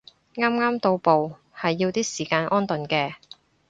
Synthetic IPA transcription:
ŋaː˥mŋaː˥mt̪o˧wpo˨w | hɐ˨jːiː˧wt̪iː˥siː˨˩kaː˧nʔɔː˥nt̪ɵ˨˩nkɛː˧

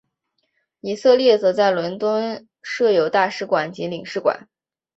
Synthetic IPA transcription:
i˨˩sɤ˥˧ljɛ˥˩t͡sɤ˧˥t͡sa˥˩ɪlwə˧˥nt̪wə˥n | ʂɤ˥˩jo˧˥ʊt̪a˥˩ʂɻ̩˧˥kwa˨˩˦nt͡ɕi˧˥li˨˩ŋʂɻ̩˥˩kwa̰˨˩˦n

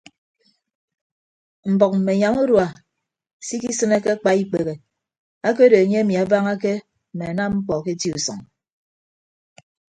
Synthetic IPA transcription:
m̩˨bɔ˨k̚m̩˨me˨ɲa˨ŋu˦ɾwa˨ | si˦ki˦sɨ˦ne˦ke˦a˦k͡pa˦i˦k͡pe˨ɣe˨ | a˦k̬e˦de˨e˨ɲe˦e˦mi˨a˨baː˦ŋa˦ke˦ | m̩˨me˨a˨na˦mŋ͡m̩˦k͡pɔ˨ke˦ti˦u˨sɔ̰˨ŋ

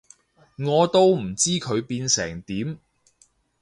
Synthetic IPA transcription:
ŋɔː˨˧t̪o˥wm̩˨˩t͡siː˥kʰɵ˨˧ɥpiː˧nsɛ̰ː˨˩ŋt̪iː˨˥m

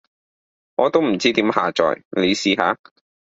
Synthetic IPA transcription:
ŋɔː˨˧t̪o˥wm̩˨˩t͡siː˥t̪iː˨˥mha̰ː˨t͡ʃɔ̰ː˨jle˨˧jsiː˨˧ɦa̰ː˨˧

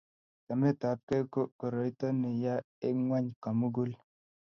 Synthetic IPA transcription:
ka˨mɛ˦˨ta˨p̚kɛ˦ko˦ko˨ɾɔ˨i˦tɔ˦ne˨ja˦ | e˦ŋwa˦ɲka˨mu˦ɡu˦l

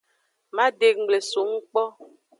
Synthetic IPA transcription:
ma˦de˨k̚ŋ͡m̩˨ɡ͡ble˨su˨˦ŋ̩˦k͡pɔ˦

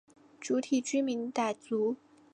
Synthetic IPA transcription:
ʈ͡ʂu˧˥t̪ʰi˨˩t͡ɕy˥mi˧˥nt̪a˨˩ɪt͡su˧˥

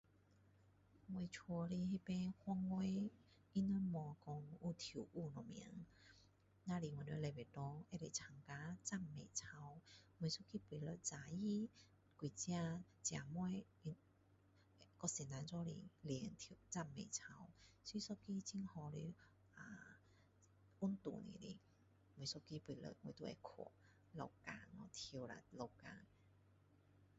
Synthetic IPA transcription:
ŋwe˧t͡ʃʰɔ˧li˧ɦe˧pe˧hwɔ˧ŋwe˧˦ | i˧nɔ˧mɔ˧kɔ˧ŋu˧t̪ʰu˨˩wʔu˥˧˨nɔ˨mḭ˧˦ŋ | na˧li˨˩ŋwa˨nɔ˧˦˧le˧˩be˨˩t̪ɔ˧˦e˧˥le˨˩t͡sʰa˨˩ŋka˧t͡sa˥˨mːḛ˨˩jt͡sʰa˧wmwɔ˧˩sɔ˥ki˧pwi˨˩lɔ˧˩t͡sa˨˧˩ji˦ | kwi˨˩t͡ɕja˧ | t͡ɕja˨˩mɔ˦j | i˧ | kɔ˧˩si˧˩na˨˧nt͡sɔ˧˦lḭ˧˩li˧˩˦nt̪ʰt͡sa˥˩mmːḛ̃˨˩t͡sʰa˧wsi˧˦sɔ˦˧ki˦˥t͡ɕi˧˥nhɔ˧le˧ | ʔa˨ | u˦˥nt̪ṵ˨˩nḭ˨lḭ˧˩ | mu˧˩˦sɔ˥˧ki˧pwi˧˩lə̰˧˩ŋwt̪u˧˦ɛ̰˧kʰɔ̰˨˧˩ | lɔ̰˧˩wka̰˧˩nɔ˧˩t̪ʰi˧wla̰˨˩lɔ˧ka̰˧˩n

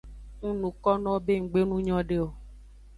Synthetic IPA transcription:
ŋũ˦nũ˨kɔ˦nɔ̃˦be˦ŋ̩˨ɡ͡be˦nũ˦ɲɔ̃˦ɖe˦o˨

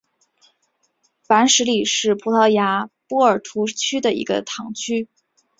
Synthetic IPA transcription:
pa˧˥nʂɻ̩˧˥li˨˩ʂɻ̩˥˩pʰu˧˥t̪ʰɑ˥˩ʊja˧˥pɔ˥˩ə˞˨˩t̪ʰu˧˥t͡ɕʰy˥d̪ə˨ḭ˧˥ɡə̰˧t̪ʰɑ˨˩˦ŋt͡ɕʰy˥

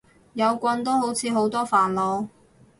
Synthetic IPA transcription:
jɐ˨˧wkʷɐ˧nt̪o˥who˨˥wt͡sʰiː˨˧ɦo˨˥wt̪ɔː˥faː˨˩nlo˨˧w

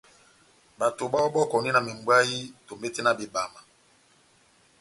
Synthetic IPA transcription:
ba˨to˨ba˦wɔ˦bɔ˦kɔ˨ni˦na˨mi˨mbwa˦ji˦to˨mbe˦ti˦na˨be˨ba˨ma˨

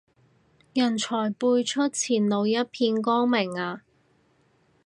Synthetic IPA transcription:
jɐ˨˩nt͡ʃʰɔː˨˩jpuː˧jt͡ʃʰɵ˥t̚t͡sʰiː˨˩nlo˨˧wjɐ˥t̚pʰiː˧nkɔː˥ŋmɪ˨˩ŋaː˨˧

